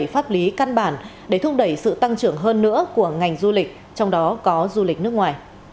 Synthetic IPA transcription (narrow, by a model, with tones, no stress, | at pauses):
jfaː˦˥p̚li˨˦ka˧nɓaː˧˩nɗe˧˩t̪ʰʊ˧ŋ͡m̚ɗə˧˩jsɨ̰˧˨t̪a˧ŋt͡ɕɨ˧˩əŋɦəː˧nːɨ̰˧˥əku˧˩əŋa˨˩jŋ̟zu˧lï˨˩k̟̚ | t͡ɕɔ˧wŋ͡mɗɔ˨˦kɔ˨˦zu˧lï˨˩k̚nɨ˦˥ək̚ŋwaː˨˩j